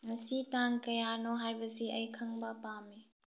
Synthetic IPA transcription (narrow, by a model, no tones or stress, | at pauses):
ŋɐsitaŋkɐjanɔɦajbɐsiʔɐjkʰɐŋbɐpame